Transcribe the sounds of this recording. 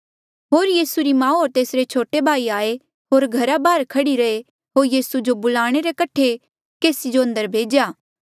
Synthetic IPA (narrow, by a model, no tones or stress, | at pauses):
ɦoːɾjiːsuɾimãːɦoːɾt̪eːsɾet͡ʃʰoːʈebʱaːiaːe | ɦoːɾɡʱɐɾabaːɾkʰɐɽiɾɐe | ɦoːɾjiːsud͡ʒobʊlaːɽ̃eɾekɐʈʰe | keːsid͡ʒoɐ̃nd̪əɾbʱeːd͡ʒjaː